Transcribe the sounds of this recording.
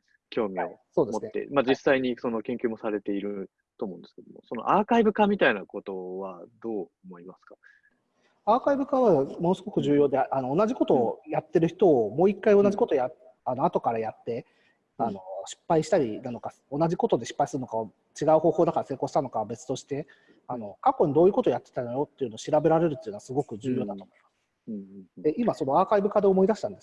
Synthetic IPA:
kʲo̞ːmʲiosoːd̪e̞mtnːḛmad͡ʑisːaiɲ̟iso̞no̞kẽ̞ŋkʲɨːmo̞saɾe̞t̪e̞iɾɯ̟ | t̪oːmo̞ɯ̃nd̪esɨ̥ked̪o̰mo̰so̞no̞̰ʔaːkaibɯ̟kamʲit̪ainako̞t̪o̞βad̪o̞ːomo̞imasɨ̥kḁ | aːkaibɯ̟kaβamo̞no̞sɨɡo̞kɯ̟ʑɨːjo̞ːd̪e̞ʔano̞ːnaʑiko̞t̪o̞ːjat̪ːe̞ɾɯ̟çi̥t̪o̞ːmo̞ːikːaio̞naʑiko̞t̪oja | ano̞at̪o̞kaɾajat̪ːe̞ | ano̞ɕi̥pːaiɕi̥t̪aɾʲinano̞ka | o̞naʑiko̞t̪o̞d̪e̞ɕi̥pːaisɨɾɯno̞kao | t͡ɕiɡaɯ̟ho̞ːhoːd̪akaɾase̞ːko̞ːɕi̥t̪ano̞kaβbe̞t͡sɨ̥t̪o̞ɕi̥t̪e̞ | ano̞kakːo̞ɲ̟id̪o̞ːjɯ̟kot̪ojat̪ːe̥t̪anaɾo̞t̪ːeiɯ̟noːɕiɾabe̞ɾaɾe̞ɾɯ̟t̪ːeiɯ̟no̞asɨɡo̞kɯ̟d͡ʑɨːjo̞ːd̪at̪o̞ːmo̞imḁsɨ̥ | d̪eimaso̞no̞aːkaibɯ̟kaːd̪oːmo̞id̪aɕit̪ãnd̪eɨ̥

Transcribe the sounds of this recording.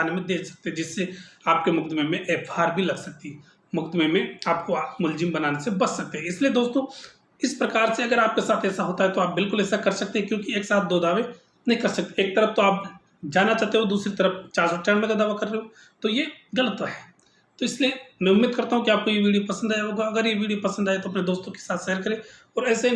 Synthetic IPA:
aːnemẽd̪eːksɐ̥k̚t̪eɦɛ̃d͡ʒɪsːeaːp̚kemʊk̚t̪mẽmẽʔɛːfaːɾbʱilɐɡsɐk̚t̪iɦɛ | mʊkt̪mẽmẽaːp̚koamʊld͡ʒɪmbɐnaːnesebɐsːɐk̚t̪eɦɛ̃ɪslied̪oːst̪õː | ɪspɾɐkaːɾseɐɡəɾaːp̚kesaːt̪ʰɛːsaɦoːt̪aɦɛt̪oaːp̚bɪlkʊlɛːsakɐɾsɐk̚t̪eɦɛ̃kjõːkieːksaːt̪̚ʰd̪oːd̪aːʋe | nɐɦĩkɐɾsɐk̚t̪eeːk̚t̪ɐɾəft̪oaːp̚ | d͡ʒaːnːat͡ʃaːɦt̪eɦõd̪uːsɾit̪ɐɾəft͡ʃaːɾsot͡ʃaːɽmẽkad̪aːʋakɐɾːeɦõ | t̪ojeɡɐlət̪aɦɛː | t̪oɪsliemɛ̃ʊmːeːd̪̚kɐɾt̪aɦũkiaːp̚kojeʋiːɖiopɐsə̃nd̪aːjoɡaɐɡəɾjeʋiːɖijopɐsə̃nd̪aet̪oɐpned̪oːst̪õke̥saːt̪ʰʃɛɦɾkɐɾẽɔːɾɛːse

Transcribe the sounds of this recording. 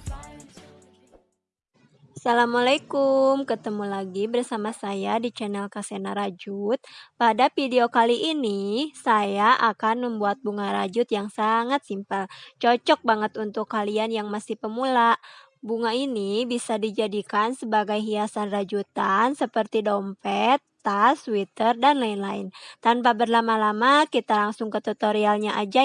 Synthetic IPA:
salamalakumkət̪əmulaɡibərsamasajadit͡ʃɛnɛlkasenaɾad͡ʒut̪̚padafideokaliʔinisajaʔakanməmbuat̪̚buŋaɾa̰d͡ʒʊt̪̚jaŋsaŋat̪̚simpəlt͡ʃɔt͡ʃɔk̚baŋət̪unt̪ʊkːalianjaŋmasɪhpəmula | buŋainibisadid͡ʒadikansəbaɡajɦiasanrad͡ʒut̪ansəpərt̪idɔmpɛt̪ːaswit̪ərdanlaɪnlaɪnt̪anpabərlamalamakit̪alaŋsʊŋkət̪ut̪oɾialɲaʔad͡ʒa

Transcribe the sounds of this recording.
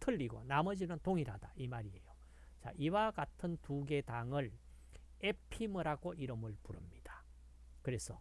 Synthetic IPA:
tʰɯʎːiɡo̰namʌd͡ʑinɯntoŋiɾɦad̥aimaɾie̞jo | t͡ɕa̰ʔiwaɡatʰɯntuɡe̞daŋɯɭ | e̞pʰimɯɾaɡoʔiɾɯmɯɭpuɾɯmɲid̥ḁ | kɯɾe̞sʰʌ

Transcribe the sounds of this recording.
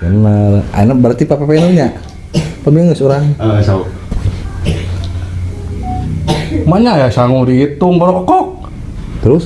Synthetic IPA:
anmara̰nabəɾat̪ipapapenoɲa | paəmiŋəsoɾaŋsa | maɲajasaŋudiit̪ʊŋbəɾɔkɔkɔk̚ | t̪əɾʊs

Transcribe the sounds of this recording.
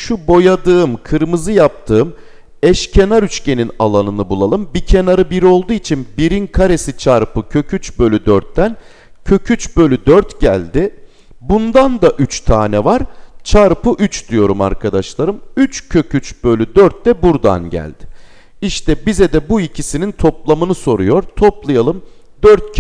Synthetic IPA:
ʃubo̞jad̪ɯːmkʰɯɾmɯzɯjap̚t̪ʰɯːm | ɛʃcʰe̞naɾyt͡ʃce̞ninalˠanɯnɯbulˠalˠɯmbicʰe̞naɾɯbiɾo̞lˠd̪uːit͡ʃʰinbiɾinkʰaɾe̞sit͡ʃʰaɾpʰɯcʰø̞cʰyt͡ʃbø̞lʲyd̪œɾt̪ːæn | cʰø̞cʰyt͡ʃbø̞lʲyd̪øɾt̪ɟælʲd̪ɪ | bund̪and̪aʔyt͡ʃt̪ʰaːnɛvaɾ̥t͡ʃʰaɾpɯʔyt͡ʃd̪yjo̞ɾuma̰ɾkʰad̪aʃlˠaɾɯmyt͡ʃcʰø̞cʰyt͡ʃbø̞lʲyd̪øɾt̪̚d̪ɛbuɾd̪a̰nɟæ̰lʲd̪̥ɪ̥ | iʃt̪ʰɛbizɛd̪ɛbuicʰisinint̪ʰo̞plˠamɯnɯso̞ɾujo̞ɾt̪ʰo̞plˠajalˠɯm | d̪øɾt̪̚

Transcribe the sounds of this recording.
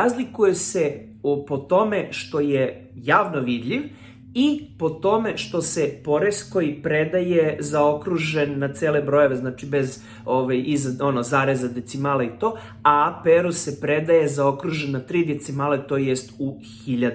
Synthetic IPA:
azlikuje̞se̞ | upot̪o̞me̞ʃt̪o̞je | jaːʋnoʋid̪ʎiʋ | ipo̞t̪o̞meʃt̪o̞sepo̞ɾeskojipɾed̪ajezao̞kɾuʒenːat̪seːlebɾo̞je̞ʋe̞znat͡ʃibe̞z | oʋajizao̞nozaːɾezad̪et̪simaːleit̪o̞ː | apeɾuse̞pɾed̪ajezao̞kɾuʒenːat̪ɾiːd̪et̪simaːlet̪o̞jest̪u | xiʎad̪

